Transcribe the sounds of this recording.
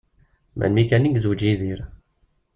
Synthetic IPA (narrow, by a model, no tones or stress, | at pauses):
mʔæ̰nmikæniɡzud͡ʒiðiɾ